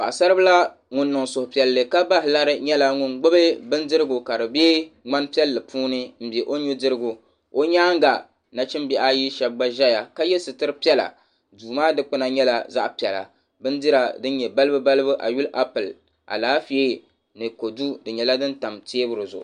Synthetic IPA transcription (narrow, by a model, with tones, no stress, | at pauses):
ba̰˨ʔsa˦ɾɨ˦bɨ˦la˦ | ŋʊ˦nːɨ˨ŋsʊ˨ʊ˨pi˨ɛ˨lːɨ˨ka˦ba˦hɪ˨la˦ɾɨ˦ɲɛ˦la˦ŋʊ˨nɡ͡bo˦bɨ˦bɨ˦ndɨ˦ɾɨ˦ɡʊ˨ka˨dɨ˨beː˦ŋa˦npi˦ɛ˦lːɨ˨pʰuː˦nɨ˦m̩˨bɛ˨ʔo˦ɲu˦dɨ˦ɾɨ˦ɡu˨ | o˦ɲaː˦ŋɡa˨ | na˨t͡ʃɪ˦mbɛ˨ʔa˦ji˦ʃɛ˨b̚ɡ͡ba˦ʒɛ˦ja˨ka˦jɛ˦sɨ˨tɨ˦ɾɨ˦pi˦ɛ˦la̰˨ | duː˨maː˦dɨ˦k͡pɨ˦na˨ɲɛ˦la˨za̰˦ʔpi˨ɛ˨la̰˨ | bɨ˦ndɨ˦ɾa˨dɨ˦n˦ɲɛ˨ba˦lɨ˦bɨ˦ba˦lɨ˦bɨ˦ʔa̰˨ju˦lʔa˦pɨ˨l | ʔa̰˨laː˨˦fi˦e˦ | nɨ˨ko˨du˦dɨ˨ɲɛ˨la˦dɨ˦nta˨mteː˦bɨ˦ɾɨ˨zʊ̰˨ʔʊ̰˨